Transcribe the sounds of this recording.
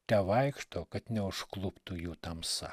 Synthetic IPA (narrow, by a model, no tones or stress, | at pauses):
t̪ʲɛʋɐɪkʃt̪oːkɐt̪nʲɛʊʃklˠʊpt̪ʊjuːt̪ɐmsɐ̰